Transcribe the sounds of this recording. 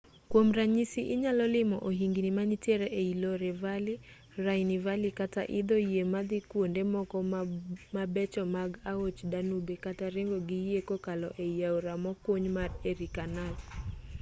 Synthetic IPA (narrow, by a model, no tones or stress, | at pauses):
kwomɾaɲisiʔɪɲalɔlɪmɔʔoɦiŋɡinimanitjeɾeeiloɾevali | raɪnivalikata̰ʔɪd̪ojemad̪ikwondemɔkɔmabɛt͡ʃɔmaɡaot͡ʃdanubekataɾeŋɡɔɡijekokalɔ̰ʔejjawɾamɔkoɲmareɾikanaɡ